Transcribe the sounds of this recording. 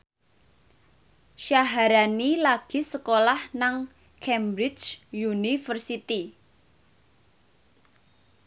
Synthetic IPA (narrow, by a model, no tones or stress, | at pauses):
ʃaɦaɾanilaɡ̥i̤səkolahnaŋ | kʰɛmbɾɪt͡ʃjunifərsit̪i